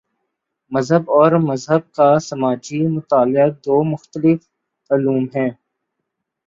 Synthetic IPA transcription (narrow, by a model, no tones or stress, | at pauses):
mɐzɦəbɔːɾmɐzɦəb̚kasɐmaːd͡ʒimʊt̪aːlɪəd̪oːmʊxt̪əlɪf | aːluːmɦɛ̃ː